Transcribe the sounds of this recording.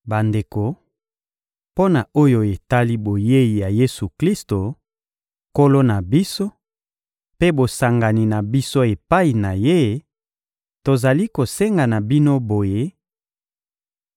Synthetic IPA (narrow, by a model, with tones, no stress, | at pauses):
ba˨nde˨ko˨ | po˦na˨o˦jo˦e˨ta˦li˦bo˨je˦i˨ja˨je˦su˨kli˦sto˨ | ko˦lo˦na˨bi˦so˦ | pe˦bo˨sa˨ŋɡa˨ni˨na˨bi˦so˦e˨pa˦i˨na˨je˦ | to˨za˨li˦ko˨se˦ŋɡa˨na˨bi˦no˦bo˨je˦